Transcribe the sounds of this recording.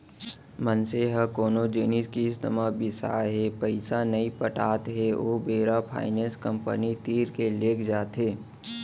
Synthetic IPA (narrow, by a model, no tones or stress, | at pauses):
mənseɦəkoːnod͡ʒeːniskisd̪əmabʱɪsa̰ːɦɛpəɪsanɐĩpəʈaːt̪ɦɛoːbeːɾapʰa̰ːɪnẽːskə̃mpə̰nit̪iːɾkeleːkd͡ʒaːt̪ɦeː